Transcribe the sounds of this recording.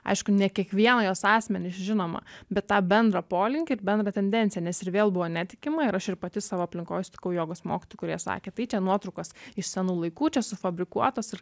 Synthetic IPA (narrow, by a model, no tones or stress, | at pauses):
ɐ̰ɪʃkʊnʲɛkʲiɛkʋʲiɛnɐjoːsɑːsʲmʲɛnʲɪsʒʲɪnoːmɐ̰bʲɛt̪ːɑːbʲɛnd̪ɾɐpoːlʲɪŋʲkʲɪɪɾbʲɛnd̪ɾɐt̪ʲɛnʲd̪ʲɛntt͡s̪ʲɪjɛnʲɛsɪɾʋʲeːlˠbʊʋoːnʲæːt̪ʲɪ̥kʲɪmɐɪɾɐʃɪɾpɐt̪ʲɪsɑːʋoːɐpʲlʲɪŋko̰ːjʊsʲt̪ʲɪ̥kɐʊjoːɡoːsmoːkʲɪt̪oːjʊkʊɾʲiɛsɑ̰ːkʲeːt̪ɐɪt͡ʃʲɛnuɔt̪ɾɐʊkɐsɪʃsʲɛnuːlˠɐɪkuːt͡ʃʲɛsʊfɐbʲɾʲɪkuɔt̪oːsɪɾ